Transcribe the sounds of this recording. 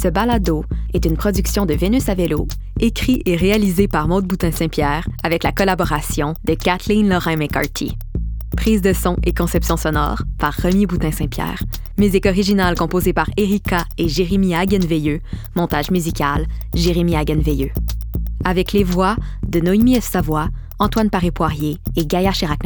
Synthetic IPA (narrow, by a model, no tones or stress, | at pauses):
səbalad̪oɛt̪ynpχɔd̪yksjɔ̃d̪əvenysavelo | ekʲχiʔeʁealizepaʁmod̪̚but̪ɛ̃sɛ̃pjɛːʁavɛklakɔlabɔʁasjɔ̃d̪̥əkat̪linlɔʁɛ̃mɛkɑ̰ɹt̪ʰḭ | pχiːzd̪əsɔ̃ʔekɔ̃sɛpsjɔ̃sɔnɔ̰ːʁpaʁːəmibut̪ɛ̃sɛ̃pjɛ̰ːʁ | myzikɔʁiʒinalkɔ̃pozepaʁeʁikaeʒeʁemiaɡʲɛnvejømɔ̃t̪aʒmyzikʲalʒeʁemiaɡɛnvejø | avɛklevwad̪ənɔimiɛfsavwa | ɑ̃t̪wanpaʁepwaʁjeːɡajaʁʃeʁaknɛ̃